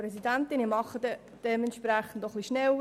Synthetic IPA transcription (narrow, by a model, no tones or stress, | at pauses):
ɾɛsidænt̪ɪnimɑχːəd̪ɛ | d̥ɛmɛntʃpɾæχən̩dɔχliʃnɛl